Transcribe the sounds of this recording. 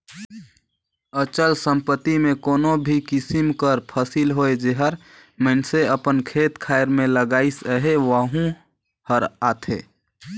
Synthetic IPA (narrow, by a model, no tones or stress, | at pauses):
ət͡ʃəlsə̃mpət̪imẽkoːnobʱikɪsimkəɾpʰəsilɦoed͡ʒeɦəɾ | məɪnseəpənkʰeːt̪kʰaːɪɾmẽləɡaːisəɦeʋəɦũ | həɾat̪ʰḛː